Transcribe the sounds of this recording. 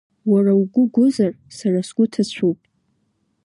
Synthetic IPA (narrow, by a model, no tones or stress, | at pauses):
warawɡʷʊɡʷʊzar | sarasɡ̥ʷʊtʰat͡ɕʷʰupʼ